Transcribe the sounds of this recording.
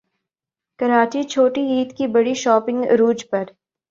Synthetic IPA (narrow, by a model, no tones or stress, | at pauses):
kɐɾaːt͡ʃit͡ʃʰoːʈiiːt̪kibɐɽiʃɔːpɪ̃ŋɡɾuːd͡ʒpɐɾ